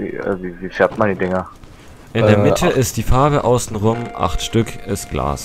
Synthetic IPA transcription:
zḭziziːfeːɐtmaːndiːdɪŋɐ | ʔɪnndeːɐmɪtʰəʔɪstd̥iːfaɐbəʔaʊsn̩ʁʊmʔa̰χtʃtʏkʰɪstɡ̥la̰ːs

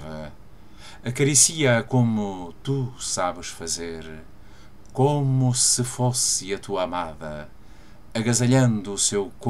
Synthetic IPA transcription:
vɐ | ɐkɐɾisiɐkomut̪usaβɨʃfɐzeɾ | komusɨfosɨɐt̪uɐamaðɐ̰ | ɐɣɐzɐʎɐ̃nd̪uːsewk

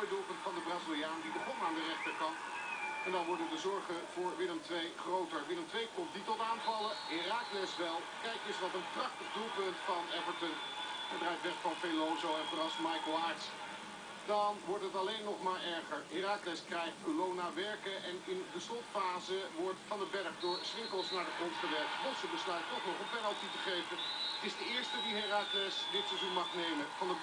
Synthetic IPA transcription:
ədulˠpɵntfɑndəbraːzilˠijaːndibəχɔnaːndərɛχtəɹkɑntɛndaːnʋɔɹdəndəzɔɹχəvʊːɹʋɪləmtʋejχrowtəɹʋɪləmtʋejkɔmtditɔtaːnvɑləɦɪraːklɛsʋɛlˠkɛjkəsʋɑtənprɑχtəχdulˠpɵntfɑnɛvəɹtənχəbrɛjtʋɛtfɑnfelowzowɛtərɑsmɑjkəlˠajts | dɑnʋɔɹtɦətɑlejnːɔχmaːɹɛɹχəɹɦɪraːklɛskrɛjχt̚kəlownaʋɛɹkəʔɛnɪndəslɔtfaːzəʋɔɹtfɑndəbɛɹχdʊːɹsʁɪŋkəlˠsnaːɹdəχrɔntχəʋɛɹk̚tbɔsəbəslœɥtːɔχnɔχənpɛnəlˠtitəχejvəntɪzdəɪːɹstədiɦɪraklɛsdɪtsəzunmɑχnejməfɑndə

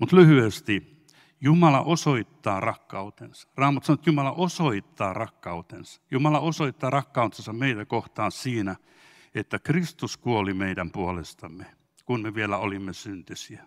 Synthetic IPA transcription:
mut̪lyhyest̪i | jumɑlɑ̰ʔosoit̪ːɑːrɑkːɑut̪ensɑ̥rɑːmːɑt̪sɑnoet̪jumɑlɑʔosoit̪ːɑːrɑkːɑut̪ensɑ̥jumɑlɑosoit̪ːɑːrɑkːɑut̪ensɑmmeit̪ækoht̪ɑːnsiːnæ | et̪ːækrist̪uskuolimeidæmpuolest̪ɑmːe | kunmeʋielæolimːesynt̪ysiæ

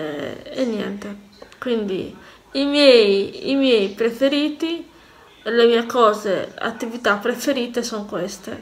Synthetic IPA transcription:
ɛɛnjɛ̰nt̪e | kwind̪ḭ | imjɛjḭmjɛjpɾefeɾiːt̪i | lemiːekɔːzea̰t̪ːivit̪apːɾefeɾiːt̪esoŋkwest̪ḛ

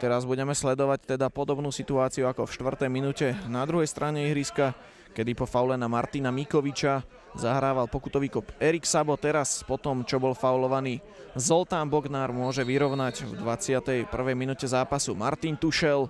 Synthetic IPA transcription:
t̪ɛɾazbuɟɛmɛslɛd̪ɔʋact̪ɛd̪apɔd̪ɔbnuːsit̪uaːt͡siuakɔfʃt̪ʋr̩t̪ɛjminucɛnad̪ɾuɦɛjst̪ɾʔaɲɛiɦɾiska | kɛd̪ipɔfawlɛnamaɾt̪inamikɔʋit͡ʃa | zaɦɾaːʋalpɔkut̪ɔʋiːkɔpɛɾiksabɔt̪ɛɾaspɔt̪ɔmt͡ʃɔbɔlfawlɔʋaniː | zɔlt̪ambɔɡnaːɾmʊɔʒɛʋiɾɔʊnaɟvd̪ʋat͡sɪat̪ɛjpr̩ʋɛjminuːcɛzaːpasuma̰ɾt̪int̪uʃɛl

